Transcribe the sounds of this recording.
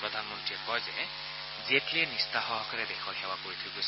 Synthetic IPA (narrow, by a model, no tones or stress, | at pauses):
pɹɔd̪ʱanmɔntɹiɛkɔjzɛ | zietliɛnist̪aɦɔɦɔkɔɹɛbɛxʰɔxʰɛwakoɹit̪ʰʊkos